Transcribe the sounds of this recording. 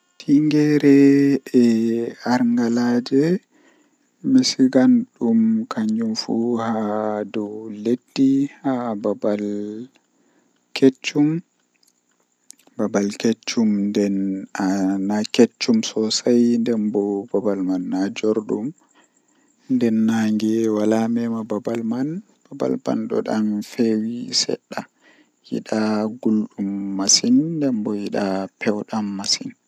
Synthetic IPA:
tʰiŋɡɛɾɛɛaɾŋɡalaːd͡ʒɛ | mesiɡanɗumkʰaɲd͡ʒumfuhadɔwledːihababal | kʰet͡ʃːum | babalket͡ʃːumndɛnanaket͡ʃːumsɔsajndɛnbɔbabalmanːad͡ʒoɾɗum | ndɛnːaŋɡɛwalamɛmababalman | b̥aba̰lba̰nɗɔ̰ɗanfewisɛ̰ɗːa | jḭɗaɡulɗumːasinːdɛmbɔjiɗapʰɛwɗamːasin

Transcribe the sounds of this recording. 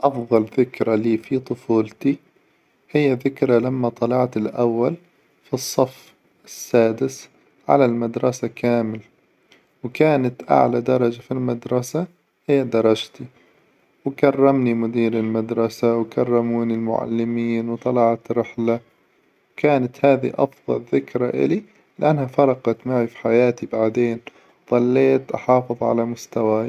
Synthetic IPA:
ʔɑfðˤɑlðɪkɾaliːfit̪ˤʊfuːlt̪i | hɪjːaðɪkɾˤalamːat̪ˤɑlɑʕt̪ɪlʔawːal | fisˤːɑf | ɪsːaːd̪ɪs | ʕa̰lalmad̪ɾˤɑsakaːmɪla | wkaːnat̪ʔa̰ʕlad̪ɑɾˤɑd͡ʒafilmad̪ɾˤɑsa | hɪjːad̪ɑɾˤɑd͡ʒt̪i | wkarˤːɑmnimʊd̪iːɾɪlmad̪ɾˤɑsawkarˤːɑmuːnɪlmʊ̰ʕa̰lːɪmiːnwt̪ˤɑlɑʕɑt̪ɾɪħla | wkaːnat̪haːðḭʔɑ̰fðˤɑ̰lðɪkɾaʔɪ̰li | lɪʔanːhafɑɾˤɑqɑt̪maʕifi̥ħajaːt̪ibaʕd̪eːn | ðˤɑlːeːt̪ʔɑ̰ħɑːfɨðˤʕa̰lamʊst̪awa

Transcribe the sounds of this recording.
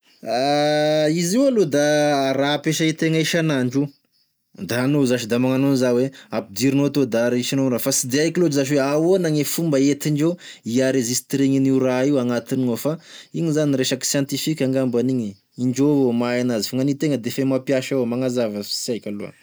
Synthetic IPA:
a | iziwalod̪aɾapeʃait̪eŋəiʃanaɳɖ͡ʐu | d̪aanozaʃid̪amaŋanonizaweapid̪iɾinoat̪od̪aaɾiʃanonɾafasid̪eajkilozaʃ̬weawonaŋefumbəet̪iɳd͡ʒoiaɾezisi̥t̪ɾeŋiniuɾaiwaŋat̪ininofaiɲizaniɾeʃaki̥sjant̪ifikʲaŋɡambaniɲi | iɳd͡ʒoomaanazifaŋanit̪eŋəd̪efemapjaʃawmaŋazavəfi̥siajkʲalṵə̰

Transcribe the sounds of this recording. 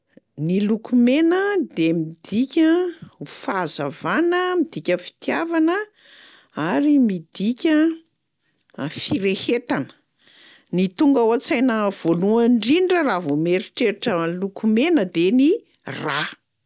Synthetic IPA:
nilukumenəd̪emid̪ikʲəfazavanəmid̪ikʲəfi̥t̪javanə | aɾimid̪̥ikʲə | fiɾehet̪anə̥ | nit̪uŋɡawat͡sajnəv̥oluəɳɖ͡ʐiɳɖ͡ʐəravomeɾiʈ͡ʂeɾiʈ͡ʂəlukumenəd̪eni | ra

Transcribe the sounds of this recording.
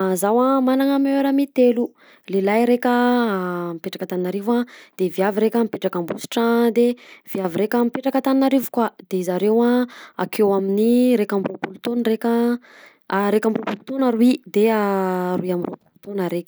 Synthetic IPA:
zawamanaŋəmeɾəmit̪elu | lelajɾekʲə | mipeʈ͡ʂḁkət̪aninaɾivad̪̥eviaviɾekʲəmipeʈ͡ʂakambusi̥ʈ͡ʂad̪ev̥iaviɾekʲəmipeʈ͡ʂakət̪aninaɾivu̥kwad̪̥eizaɾewaa̰kʰewaminiɾekambɾropulut̪onrekʲə | aɾekambɾopulut̪onaɾuid̪eaɾuiamiro̰pulut̪onaɾekʲ

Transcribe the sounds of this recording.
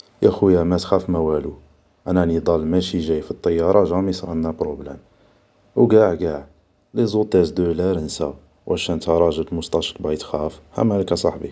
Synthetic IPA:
jæxujæmæt̪xæfmæwælu | ʔænænid̪ˤɑlmæʃiʒæjfit̪ˤːɑjːɑɾˤɑʒɑmisɾɑ̰nːæpɾoblæm | wɡæʕɡæʕ | lizˤut̪ˤæzd̪ulæɾənsæw | wʔʕæʃænt̪ɑɾˤɑʒəb̪mʊst̪ˤɑʃəlbʕit̪xæfhæ̰mælkæsˤɑ̰ħbi

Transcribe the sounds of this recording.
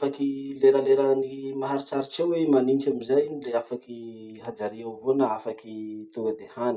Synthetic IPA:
afakileɾəleɾənimaɦaɾit͡ʃaɾit͡ʃewemanint͡ʃamizajinileafakiɦad͡zaɾiawvonaafakit̪uŋɡəd̪ehan

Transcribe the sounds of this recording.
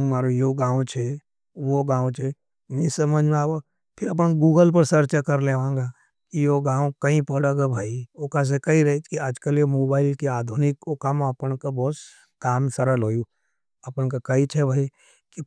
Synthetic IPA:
maːɾejoɡãːwt͡ʃʰe | ʋoɡãːõt͡ʃʰe | nisɐməd͡ʒʱmaːwo | pʰɪɾɐp̬ənɡuːɡəlp̬ɐɾsɐɾt͡ʃakɐɾleʋãːŋɡa | kijoɡãːõkɐɦĩpɐɽaɡabʱaːiokas̬ekɐiɾɐekiaːd͡ʒkəlemoːbaːɪlkeaːd̪ʱunɪkokaməpənkabɔːt̪ | kaːmsɐɾəlɦoːju | ɐpənkakɐit͡ʃʰebʱaːi | ki

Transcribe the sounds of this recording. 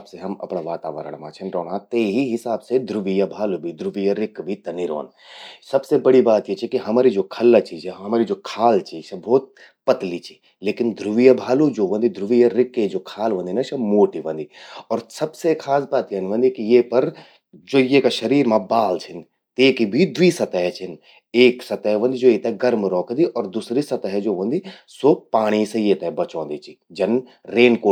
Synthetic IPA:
bseɦɐmɐ̰pɳaʋaːt̪a̰ːʋə̰ɾə̰ɽ̃mãt͡ʃʰɐnɾɔ̰ːnãt̪eːɦiɦɪsaːbsed̪ʱɾʊʋijabʱaːlubʱid̪ʱɾʊʋijaɾɪkbʱit̪ɐniɾo̰ːn | sɐbsebɐɽibaːt̪jet͡ʃʰikiɦɐmaːɾid͡ʒoːkʰɐlːat͡ʃiːd͡ʒeɦɐmaːɾid͡ʒoːkʰaːlt͡ʃisɐbɔːt̪̚ | pɐt̪lit͡ʃʰi̥ | leːkɪnd̪ʱɾʊʋijabʱaːlud͡ʒoːʋɐ̃nd̪id̪ʱɾʊʋijaɾɪkːed͡ʒoːkʰaːlʋə̃nd̪inaʃʰɐmoːʈiʋə̃nd̪iɔːɾsɐbsekʰaːsbaːt̪ijɐnʋə̃nd̪ikijeːpɐɾ | d͡ʒoːjekaʃɐɾiːɾmãbaːlt͡ʃʰɪn | t̪eːkibʱid̪ʋiːsɐt̪ɛɦɛt͡ʃʰɪn | eːksɐt̪əɦʋɐ̃nd̪id͡ʒoːjit̪ɛɡɐɾmɾɔːkd̪iʔɔːɾd̪usɾisɐt̪əɦɛd͡ʒoːʋə̃nd̪isoːpaːɽ̃isejeːt̪ɛbɐt͡ʃõːnd̪it͡ʃʰid͡ʒɐnɾeːnkoː

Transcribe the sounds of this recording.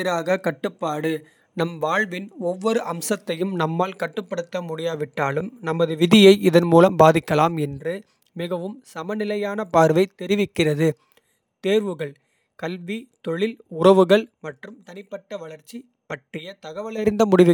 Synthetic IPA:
ɪɾaːɣɐkɐʈːɯpːaːɽɯ | nɐmʋaːɭʋɪnɔʋːɔɾɯʔɐmsɐt̪ːɐjɯmnɐmːaːlkɐʈːɯpːɐɽɯt̪ːɐmʊɽɪjaːʋɪʈːaːlɯmnɐmɐðɯʋɪðɪjɐɪɪðɐnmuːlɐmbaːðɪkːɐlaːmɛndrɯ | mɪɣɐʋɯmsɐmɐnɪlɐjaːnɐpaːɾʋɐɪt̪ɛɾɪʋɪkːɪrɐðɯ | t̪eːɾʋɯɣɐɭ | kɐlʋit̪ɔɭɪlʊrɐʋɯɣɐɭmɐʈrɯmt̪ɐnɪpːɐʈːɐʋɐɭɐɾt͡ʃːi | pɐʈrɪjɐt̪ɐɣɐʋɐlɪɾɪnd̪ɐmʊɽɪʋɯ

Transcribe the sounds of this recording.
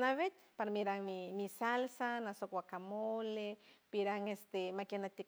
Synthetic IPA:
naβet̪paɾmiɾaŋmimisalsanasokwakamolepiɾaŋest̪emakenat̪i

